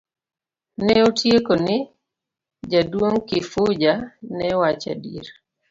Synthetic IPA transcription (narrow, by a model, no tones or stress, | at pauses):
nɛotjekonɪ | d͡ʒadwoŋkɪfʊd͡ʒanɛwat͡ʃa̰dḭɾ